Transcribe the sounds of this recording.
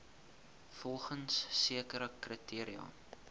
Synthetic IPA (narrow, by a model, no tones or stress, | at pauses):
fɔlˠχənsːiəkəɾəkritʰiəɾiɑ̰ː